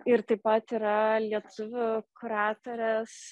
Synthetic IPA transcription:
ɪɾt̪ɐɪpɐt̪iːɾɐlʲiɛt̪ʊʋʲʊkʊɾɑːt̪oɾʲɛs

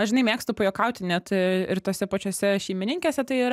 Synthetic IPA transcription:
ɐʒʲɪnɐɪmʲeːkst̪ʊpojoːkɐʊt̪ʲɪnʲɛt̪ɪɾt̪oːsʲɛpɐt͡ʃʲoːsʲɛʃʲɛɪmʲɪnʲɪŋʲkʲeːsʲɛt̪ɐɪiːɾ

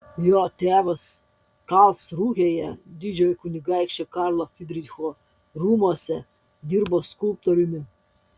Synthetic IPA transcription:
joːt̪ʲæːʋɐs | kɑlˠsɾuːɣʲejɛd̪ʲɪd͡ʒʲoːjɛkʊnʲɪɡɑɪkʃʲt͡ʃʲɛkɑɾlˠofʲɪd̪ʲɾʲɪxoː | ɾuːmuɔsʲɛ | d̪ʲiɾboːskʊlˠp̚t̪ɔɾʲʊmʲɪ

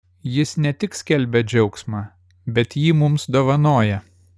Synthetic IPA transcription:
jɪsnʲɛt̪ʲɪksʲkʲɛlʲbʲɛd͡ʒʲɛʊksmɑː | bʲɛt̪jiːmʊmsd̪oːʋɐnoːjɛ

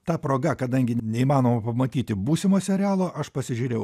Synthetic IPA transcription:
t̪ɑːpɾoːɡɐkɐd̪ɐŋʲɡʲɪnʲɛimɑːnoːmɐpɐmɐt̪ʲiːt̪ʲɪbuːsʲɪmoːsʲɛɾʲɪæːlˠoːʔɐʃpɐsʲɪʒʲuːɾʲeːjʊ

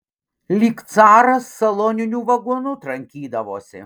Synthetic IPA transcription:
lʲiːkt̪sɑːɾɐsːɐlˠoːnʲɪnʲuːʋɐɡuɔnʊt̪ɾɐŋʲkʲiːd̪ɐʋoːsʲɪ̰

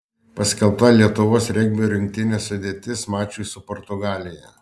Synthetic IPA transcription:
pɐsʲkʲɛlˠpt̪ɐlʲiɛt̪ʊʋoːsɾʲɛɡ̚ʲbʲoːɾʲɪŋʲk̚t̪ʲɪnʲeːsʊd̪ʲeːt̪ʲɪsmɑːt͡ʃʲʊjsʊpɔːɾt̪ʊɡɑːlʲɪjɛ̰

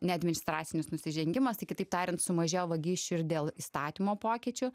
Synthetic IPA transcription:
nʲɛɐd̪ʲmʲɪnʲɪst̪ɾɑːt̪sʲɪnʲɪsnʊsʲɪʒʲɛŋʲɡʲɪmɐst̪ɐɪkʲɪt̪ɐɪp̚t̪ɑːɾʲɪnt̪sʊmɐʒʲeːjoʋɐɡʲiːʃʲt͡ʃʲʊɪɾd̪ʲeːlˠist̪ɑːt̪ʲimoːpoːkʲɪːt͡ʃʲʊ

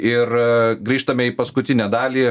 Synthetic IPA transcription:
ɪrɡɾʲiːʃt̪ɐmʲɛiːpɐskʊt̪ʲɪnʲæd̪ɑːlʲiː

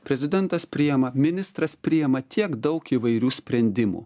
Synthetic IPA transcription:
pʲɾʲɛzʲɪd̪ʲɛnt̪ɐspʲɾʲɪjɛmɐmʲɪnʲɪst̪ɾɐspʲɾʲɪjɛmɐt̪ʲiɛkd̪ɐʊkiʋɐɪɾʲuːsʲpʲɾʲɛnʲd̪ʲɪmṵː

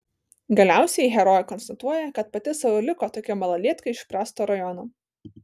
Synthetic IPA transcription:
ɡɐlʲæˑʊsʲɛiɦʲɛɾɔjɛkɔnst̪ɐt̪uɔjɛkɐt̪̚pɐt̪ʲɪsɐʋolʲɪkoːt̪oːkʲɪmɐlˠɐlʲiɛt̪kɐɪɪʃʲpʲɾɑːst̪oːɾɐjɔnoː

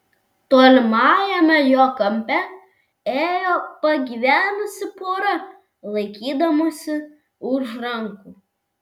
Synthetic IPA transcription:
t̪oːlʲɪmɑːjɛmʲɛjoːkɐmʲpʲɛ | eːjoːpɐɡʲiːʋʲæːnʊsʲɪpoːɾɐ | lˠɐɪkʲiːd̪ɐmoːsʲɪ | ʊʃɾɐŋkuː

